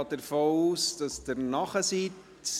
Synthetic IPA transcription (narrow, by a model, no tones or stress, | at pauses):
ɑːd̥əɾfoːuːsd̥ɑsd̥əɾnɑχəsit